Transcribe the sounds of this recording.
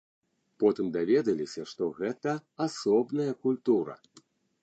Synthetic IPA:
pɔt̪ɨmd̪avʲɛd̪ɐlʲisʲɐʂt̪ɔɣɛt̪ɐasɔbnɐjɐkulʲt̪uɾɐ̰

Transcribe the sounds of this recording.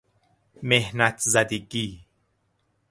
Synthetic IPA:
mehnæt̪ʰzad̪iɡiː

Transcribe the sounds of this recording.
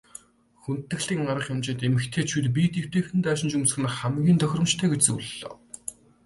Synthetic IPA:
xunt̪ːɘ̆ɣɮiːŋɢaɾə̆χjʊmt͡ɕɪ̆ːnt̪emɘ̆xt̪ʰeːt͡ɕʰut̪p̬iːt̪ʰew̥t̪eːxɘ̆nt̪aːʃɪ̆nt͡ɕumsɘ̥̆x̆ɘnχæmɡʲiːnt̪ʰœx̆ʲrə̆mt͡ɕt̪ʰœːɡet͡ɕt͡sṵːɮːo̰ː

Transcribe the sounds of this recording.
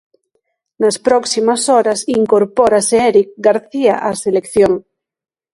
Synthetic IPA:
naspɾoksimasoɾasiŋkoɾpoɾaseeɾik̚ɡaɾθiaʔaselekθjoŋ

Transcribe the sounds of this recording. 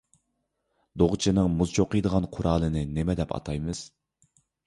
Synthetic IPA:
d̪oʁt͡ʃʰinɨŋmuzt͡ʃʰoqəjd̪əʁɑnqʰʊɾɑːlˠɨnɪnɪmɛd̪ɛpʰɑ̰t̪ʰɑjmɨz̥

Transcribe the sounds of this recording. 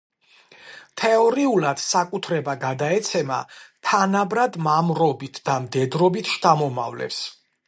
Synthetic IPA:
t̪ʰɛɔɾiulad̪̥sakʼut̪ʰɾɛbaɡad̪aɛt̪sʰɛma̰t̪ʰanabɾad̪mamɾɔbit̪ʰd̪̥amd̪ɛd̪ɾɔbit̪ʰʃt̪ʰʼamɔma̰vlɛ̰ps

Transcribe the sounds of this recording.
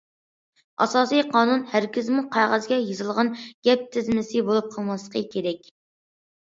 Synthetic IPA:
ʔɑ̰sɑːsijqʰɑːnunhæɾkʲʰɪzmuqʰɑjʁɑzɡʲɛjizɨlˠʁɑnɡ̥ʲɛp̚t̪ʰɪzmɪsɪbolˠup̚qʰəlˠmɑslˠə̥qʰəkʲʰeɾɛkʲ

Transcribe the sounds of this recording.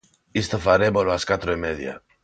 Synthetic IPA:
ist̪ofaɾeboɾoaskat̪ɾoimeðja̰

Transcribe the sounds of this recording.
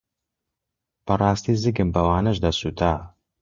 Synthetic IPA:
b̥ɐrˤɑːst̪izɨɡɨmbɐwaːnɐʃd̪ɐsuːt̪ʰaː

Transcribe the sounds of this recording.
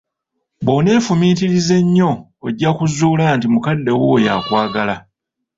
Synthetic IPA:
boːne̞ːfumiːtiɾize̞ɲːo̞ | eɟːakuzuːlaːntimukadːe̞woːja̰kwaːɡala

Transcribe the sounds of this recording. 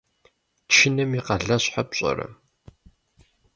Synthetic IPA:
t͡ʃʰɪnɨmiqɐɮɐɕħapɕʼɐ̰ɾɐ̰

